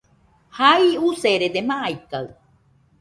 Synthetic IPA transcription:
haiuseɾed̪emãʔajkaɯ

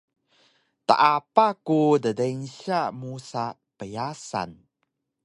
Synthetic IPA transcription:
ta̰ʔapakudədenɕamusa | pəjasa̰n

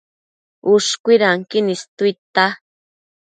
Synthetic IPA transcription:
uʂkʷiɾaŋkinist̪uit̪a

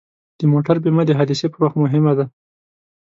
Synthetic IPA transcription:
d̪̥əmoʈaɾbemad̪əɦad̪isepəɾwaxt̪mʊɦɪmad̪a

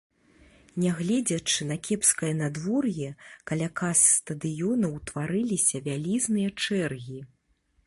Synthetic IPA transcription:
nʲɛɣlʲɛd͡zʲɐt͡ʂɨnɐkʲʰɛpskɐjɐnad̪vɔrjɛkalʲakasːt̪ɐd̪ɨjɔnɐwt̪vaɾɨlʲisʲɐvʲalʲiznɨjɐt͡ʂɛrɣʲi

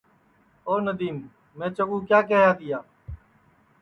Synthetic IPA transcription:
oːnəd̪iːmː | ɛ̃ːt͡ʃəɡũːkjaːkeːɦjaːt̪iːjaː

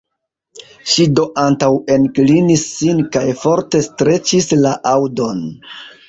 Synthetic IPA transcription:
ʃido̞ʔantawe̞nklinisːinkajfo̞ɾte̞stɾe̞t͡ʃislaʔawdo̞n

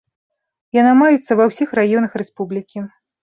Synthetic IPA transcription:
janamajɛt̪sːɐvɐwsʲixrajɔnɐxɾɛspublʲikʲi

